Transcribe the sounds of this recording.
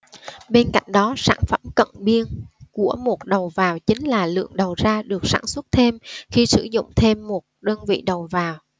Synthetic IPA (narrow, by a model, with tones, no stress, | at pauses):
ɓe˧nka̰˧˨jŋ̟ɗɔ˨˦sa̰ː˧˩nfə˧˩mkə̰˧˨nɓi˧ənku˧˩əmo˨˩t̚ɗə˨˩wvaː˨˩wt͡ɕï˨˦ŋ̟laː˨˩lɨ̰˧˨əŋɗə˨˩wzaː˧ɗɨ˨˩ək̚sa̰ː˧˩nswə˦˥t̚t̪ʰe˧mxi˧sɨ̰˧˩zʊ̰˧˨ŋ͡mt̪ʰe˧mːo˨˩t̚ɗəː˧nvḭ˧˨ɗə˨˩wvaː˨˩w